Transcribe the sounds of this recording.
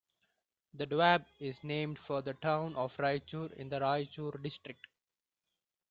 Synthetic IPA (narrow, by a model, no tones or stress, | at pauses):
d̪əɖʋæbɪznẽːmɖfɔɾd̪əʈãʊ̃nʔɔːʋɾaɪt͡ʃuːɾɪ̰̃nd̪əɾaɪt͡ʃuːɾɖɪsʈɾɪk̚ʈ